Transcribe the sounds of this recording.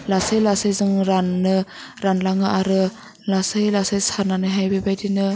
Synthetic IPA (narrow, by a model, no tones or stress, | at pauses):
lasajlasajzɯŋɾanːɯ | ɾanlaŋɯaɾɯ | lasɯjlasajsananɯjɦajbebajdinɯ